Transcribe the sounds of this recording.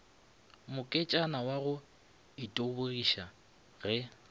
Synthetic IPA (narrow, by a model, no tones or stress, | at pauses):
mʊkʼɪt͡ʃʼanawaɣʊ | itʼoboriʃa | ɣɛ